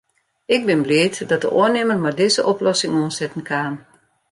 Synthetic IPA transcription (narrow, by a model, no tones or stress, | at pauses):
ɪk̚bɪnblɪətdɔt̚də̰ʔoənɪmərmardɪzəʔɔplɔsɪŋuənsɛtn̩kʰaːn